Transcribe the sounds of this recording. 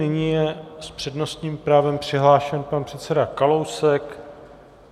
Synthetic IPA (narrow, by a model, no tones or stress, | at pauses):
ɪɲijɛspr̝̥ɛdno̞st̪ɲiːmpɾaːvɛmpr̝̥ɪɦlaːʃɛnpanpr̥ɛt̪sɛdakalowsɛk